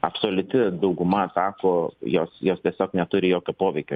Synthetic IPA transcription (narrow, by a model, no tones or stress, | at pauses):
ɐpsoːlʲʊt̪ʲɪd̪ɐʊɡʊmɐsɑːkoːjoːsjoːst̪ʲiɛsʲoːknʲɛt̪ʊɾʲɪjoːkʲopoːʋʲɛɪkʲo